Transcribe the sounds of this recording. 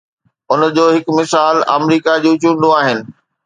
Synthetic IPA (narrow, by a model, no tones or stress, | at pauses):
ʊnəd͡ʑoːɦɪkmɪsaːlɐ̰mɾiːkad͡ʑũːt͡ɕũːɳɖũaːɦɪnɪ̆